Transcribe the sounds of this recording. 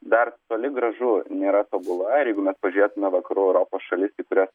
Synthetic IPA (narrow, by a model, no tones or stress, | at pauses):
d̪ɐrt̪oːlʲɪɡɾɐʒunʲeːɾɐt̪oːbʊlˠɐɪɾjɛɪɡʊmʲɛspɐʒʲʊɾʲeːt̪ʊmʲɛʋɐkɐɾuːɛʊɾoːpoːsʃɐlʲɪst̪ʲɐɪkʊɾʲos